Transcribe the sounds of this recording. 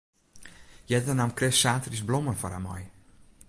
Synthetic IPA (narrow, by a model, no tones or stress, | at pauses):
jɛtənamkrɪssaːtrisblɔmənfaɾa̰mɔ̰j